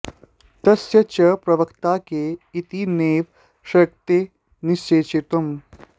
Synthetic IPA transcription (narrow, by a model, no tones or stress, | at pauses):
t̪ɐsjɐt͡ʃɐpɾɐʋɐkt̪aːkeit̪ineːʋ | ʃɐk̚t̪e | niʃt͡ʃeːt͡ʃit̪ɐm